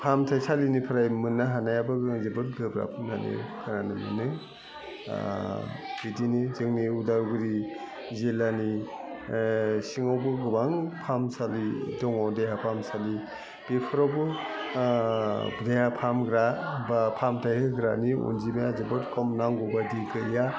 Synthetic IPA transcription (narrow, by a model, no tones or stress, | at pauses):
pʰamtʰajsalinipʰɯɾajmɯnːaɦanajabaɡɯzɯbɯt̚ɡɯbɾa̰pʰɯna̰nḭkʰɯnanɯmɯ̰nɯ̰ | b̥idinizɯŋniudaɾɡɯɾi | zelani | siŋawbɯɡɯbaŋpʰamsalidɔŋɔdejapʰamsali | b̥epʰɯɾawbɯ | bdejapʰamɡɾabapʰamtʰajhɯɡɾaniṵnd͡ʒimajazebɯtkʰɔmnaŋɡɔbadikɯja